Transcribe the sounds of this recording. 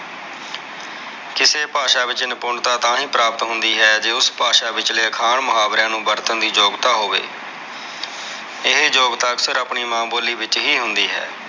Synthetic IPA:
kɪseːpaːʃaːʋɪt͡ʃɪnəpʊɳɖt̪aːt̪ãːɦĩːpɾaːpət̪ɦʊnd̪iːɦɛːd͡ʒeːʊspaːʃaːʋɪt͡ʃleːəkʰaːɳməɦaːbɾɛ̃ːnũːbəɾt̪ənd̪iːd͡ʒoːɡt̪aːɦoːʋḛː | ɪɦd͡ʒoːɡt̪aːəksəɾəpɳiːmãːboːliːʋɪt͡ʃɦiːɦʊnd̪iːɦɛ̰ː

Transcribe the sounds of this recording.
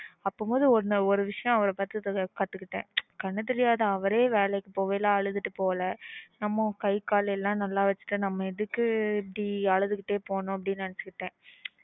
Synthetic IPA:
ɐpːomoːðɯɔɾnɐɔɾɯʋɪʂɐjɐ̃ɐʋɐɾɐpaːɾt̪ɯkɐt̪ːɯkːɯʈːḛ̃ːkɐɳːɐt̪̬ɛɾɪjaːðɐɐʋɐɾeːʋeːlɛkːɯpoːʋeːlãːɐɭɯðɯʈːɯpoːlɐnɐmːɐ̃kɐɪkːaːlɐɛlːãːnɐlːaːʋɐt͡ʃːɯ̥ʈːɯnɐmːɐɪðɯkːɯɛpːɐɽiɐɻɯðɯkːɪʈːeːpoːɳõːɐp̬ːɐɽɪnːɯnɐnɐt͡ʃːɯkːɯʈːẽː

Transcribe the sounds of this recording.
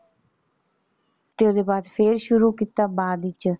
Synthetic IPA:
t̪eːod̪eːbaːd̪pʰeːɾʃʊɾuːkit̪aːbaːd̪ɪt͡ʃ

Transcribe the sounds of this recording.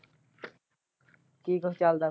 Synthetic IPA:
kiːɡʱot͡ʃaːld̪a

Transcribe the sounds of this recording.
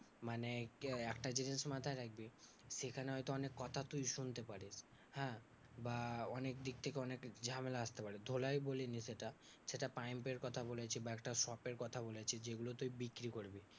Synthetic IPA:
maneɛkʈad͡ʑinesmat̪ʰaeɾak̚ʰbi | ʃekʰaneɦɔjt̪oɔnekːɔt̪ʰat̪ujʃunt̪epaɾis | hɛ̃ | baɔnekd̪ik̚t̪ʰekeɔnekd͡ʑamelaast̪epaɾid̪ʱolajboleniseʈa | seʈapajmpeɾkɔt̪ʰabolet͡ɕʰibaɛkʈaʃɔpeɾkɔt̪ʰabolet͡ɕʰid͡ʑeɡulot̪ujbikɾikoɾbi

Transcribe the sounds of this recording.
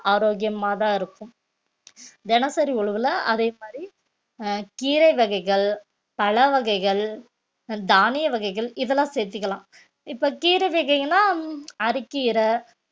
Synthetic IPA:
aːɾoːɣɪjɐmaːt̪ãːɪɾɯkːɯm | d̪ɛnɐsɐɾiʊɭɯʋɯlɐɐðeːmaːd̪ɾi | kiːɾɐɪʋɐɣɐɪɣɐɭ | pɐɭɐʋɐɣɐɪɣɐɭ | d̪aːnɪjɐʋɐɣɐɪɣɐɭɪðɐlːãːseːɾt̪ːɯkːɐlãː | ɪpːɐkiːɾɐɪʋɐɣɐɪɡɐnːaːɐɾɪkːɪɪɾɐ

